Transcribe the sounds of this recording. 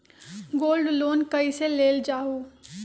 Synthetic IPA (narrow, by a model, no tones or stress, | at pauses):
ɡoːlɖloːnkəiseleːld͡ʒaːɦuː